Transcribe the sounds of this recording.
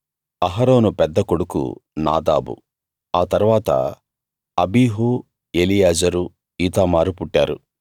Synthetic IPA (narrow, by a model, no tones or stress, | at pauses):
ɐɦɐɾo̞ːnupɛd̪ːɐkoɽukṵna̰ːd̪a̰ːbṵ | aːt̪ɐɾuʋaːt̪ɐ̰ | ɐbiːɦu | elijaːd͡ʒɐɾu | iːt̪aːmaːɾupuʈːaːɾu